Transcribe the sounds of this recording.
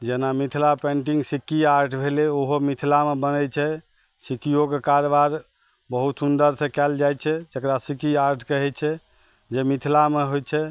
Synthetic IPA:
d͡ʒenamit̪ʰilapẽɳʈĩŋɡsikːiaɾʈʰbʱeleoɦomit̪ʰilamebənɛt͡ʃʰɛ | sikijokekaɾbaɾ | bəɦut̪sund̪əɾsẽkɛld͡ʒajt͡ʃʰɛd͡ʒəkɾasikiaɾʈʰkəɦɛt͡ʃʰɛ | d͡ʒemit̪ʰilameɦojt͡ʃʰɛ

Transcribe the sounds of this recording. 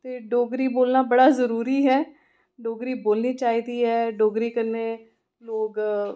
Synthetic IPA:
t̪eːɖoːɡɾiːboːlnaːbəɽaːzəɾuːɾiːɦɛː | ɖoːɡɾiːboːlniːt͡ʃaːiːd̪iːɦɛːɖoːɡɾiːkəɾneː | loːɡ

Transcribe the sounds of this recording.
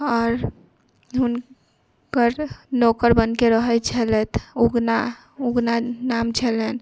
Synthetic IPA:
ɔɾ | ɦun | kəɾnokəɾbənkeɾəɦɛt͡ʃʰəlɛt̪uɡna | uɡnanamt͡ʃʰəlɛn

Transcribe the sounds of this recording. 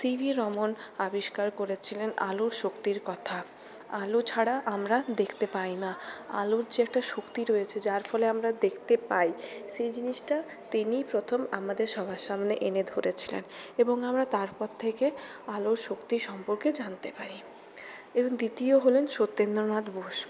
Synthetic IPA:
sibʱiɾɔmonabiʃkaɾkoɾet͡ɕʰilenʔa̰luɾʃokt̪iɾkɔt̪ʰa | alot͡ɕʰaɽaʔamɾad̪ekʰt̪epajnaa̰luɾd͡ʑiɛk̚ʈaʃokt̪iɾojet͡ɕʰed͡ʑaɾfɔleamɾad̪ekʰt̪epajʃejd͡ʑiniʃʈa | t̪inipɾot̪ʰomamad̪eɾʃɔbʱaʃːamneʔened̪ʱoɾet͡ɕʰilḛneboŋamɾat̪aɾpɔɾt̪ʰekealoɾʃokt̪iʃɔmpoɾked͡ʑant̪epaɾi | eboŋd̪it̪ioɦolenʃot̪ːend̪ɾonad̪boʃ

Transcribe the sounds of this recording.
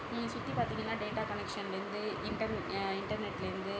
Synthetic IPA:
niːŋɡɐsʊt̪ːipaːɾt̪iːŋɡɐnːaːɖeːʈaːkɐnɛkʂɐnlɪɾɯnd̪ɯɪɳʈɐɾnɪɳʈɐɾnɛʈːɪlɪɾɯnd̪ɯ

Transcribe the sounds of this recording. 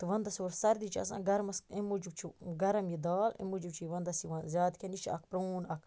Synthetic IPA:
t̪ɨʋɐnd̪ɐsioːɾsɐɾd̪it͡ʃʰɐ̰sã̰ːɡɐɾɐmɐsemud͡ʒubt͡ʃʰiɡɐɾɐmjid̪aːlḛmud͡ʒubt͡ʃʰiʋɐnd̪ɐsiʋɐ̃zʲjaːd̪kʰʲɐnit͡ʃʰɐ̰kʰpɾɐnɐkʰ

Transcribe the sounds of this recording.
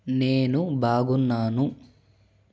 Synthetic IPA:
neːnubʱaːɡunːaːnu

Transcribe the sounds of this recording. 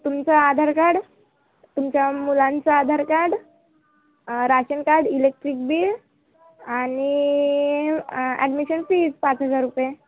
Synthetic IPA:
t̪umt͡saːd̪ʱaɾkaɽ | t̪umt͡ɕjamulãnt͡saːd̪ʱaɾkaɽ | ɾaɕənkaɽilek̚ʈɾik̚biːl | ani | ɛ̰ɖmiɕənfiːd͡zpat͡sɦəd͡zaɾːupje

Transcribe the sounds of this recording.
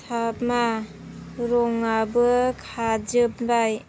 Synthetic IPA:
tʰapma | ɾɔŋabɯkʰad͡ʒɯp̚baj

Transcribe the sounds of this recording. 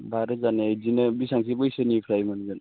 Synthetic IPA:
baɾɯzaneajzinɯbisaŋsibɯjsɯnipʰɾajmanizan

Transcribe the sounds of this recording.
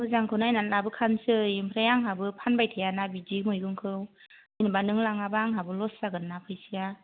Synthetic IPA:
bɯzaŋkʰɯwnajnanlabɯkʰansɯimpʰɾajaŋɦabɯpʰanbajtʰajanabidikmɯjɡɯŋkʰɯwɯjnɯbanɯŋlaŋabaŋɦabɯlɔssaɡɯnːapʰɯjsija

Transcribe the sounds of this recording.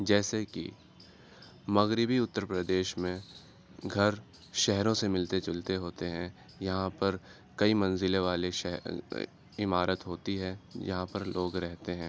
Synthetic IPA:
d͡ʒɛːsekḭ | mɐɣɾɪbiʊt̪ːəɾpɾəd̪eːʃmẽ | ɡʱɐɾ | ʃɛɦɾõsemɪlt̪et͡ʃɐlt̪eɦoːt̪eɦɛ̃ | jɐɦãpɐɾ | kɐimɐ̃nzɪleʋaːleʃɛ | ɪmaːɾət̪ɦoːt̪iɦɛ̃jɐ̰ɦãpɐɾlʔoːɡɾɛɦt̪eɦɛ̃ː

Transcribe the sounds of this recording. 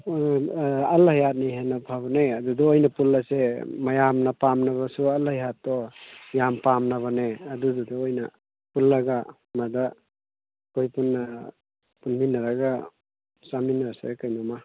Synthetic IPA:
alajat̚nejɦenapʰabɔneadudɔojnapulːasemajamnapamnaβasualhajɦatːɔjampamnaβaneadudɔdɔojna̰ | pulːaɡa | mada | kɔjpunːa | punminaɾaɡa | saminaɾsekajnama

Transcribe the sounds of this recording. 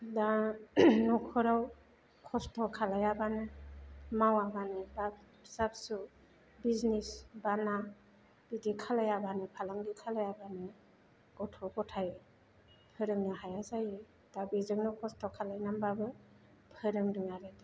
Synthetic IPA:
da | nɔkʰɔɾaw | kʰɔstʰɔkʰalajabanɯmawabanɯba | sap̚su | biznisbana | b̥idikʰalajabanɯpʰalaŋdikʰalajabanɯ | ɡɔtʰɔɡɔtʰaj | pʰɯɾɯŋnɯɦajazaje | d̥abizɯŋnukʰɔstɔkʰalajnambabɯ | pʰɯɾɯŋdɯŋaɾedi

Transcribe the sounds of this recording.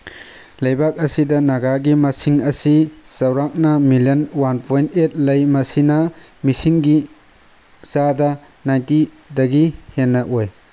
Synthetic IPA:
lɐjbak̚ɐsidɐnɐɡaɡimɐsiŋɐsisɐwɾak̚nɐmiljonwanpʰojntet̚lɐjmɐsinɐ | misiŋɡi | t͡ʃadɐ | najnti | dɐɡihenːɐʔoj

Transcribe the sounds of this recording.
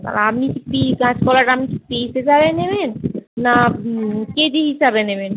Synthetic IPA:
t̪a̰lapnikipiɡãd͡ʑkɔlaʈapnikipised͡ʑabenebenːa | ked̪iɦiʃabeneben

